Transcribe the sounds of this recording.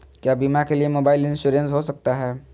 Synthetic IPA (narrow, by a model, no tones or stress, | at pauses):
kjaːbimakeliemoːbaːɪlɪ̃nsʃuːɾẽnsɦosɐk̚t̪aɦɛː